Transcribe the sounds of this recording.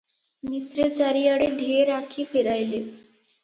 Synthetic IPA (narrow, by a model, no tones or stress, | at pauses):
misɾet͡ɕaɾiaɽeɖʱeɾakʰifeɾajle